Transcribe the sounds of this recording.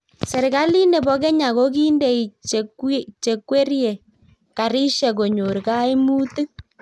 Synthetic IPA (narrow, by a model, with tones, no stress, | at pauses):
sɛ˨ɾka˦li˦ne˨bɔ˨kɛ˦ɲa˨ko˦k̬i˦nde˨i˨t͡ʃkt͡ʃe˨kwe˦ɾje˨ | ka˨ɾi˦ʃɛ˨ko˨ɲo˨ɾka˦i˦mu˦tɨ˦